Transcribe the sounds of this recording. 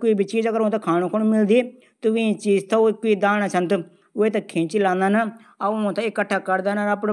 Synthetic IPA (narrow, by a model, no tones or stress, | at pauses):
koiːbiːt͡ʃiːd͡ʒəɡəɾõːt̪ãkʰaːnõːkʰonmɪld̪iː | t̪ʊʋĩːt͡ʃiːd͡ʒt̪ãkoiːd̪aːnaːt͡ʃʰənt̪ | ʊeːt̪akʰẽːt͡ʃilãːnd̪aːna | ãt̪aɪkːəʈʰːaːkəɾd̪aːnaɾapɽ